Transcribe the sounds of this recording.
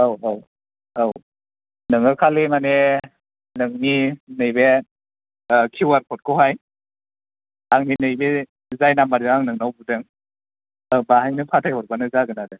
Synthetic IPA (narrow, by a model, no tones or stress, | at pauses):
awaw | aw | nɯŋɯkʰalemane | nɯŋninɯjbe | kʰiwaɾkʰɔt̚kʰɔwɦaj | aŋninɯjbe | zajnamaɾɯŋaŋnɯŋnawbudɯŋ | abaɦajnɯpʰatʰajhɔt̚banɯzaɡɯnadɯ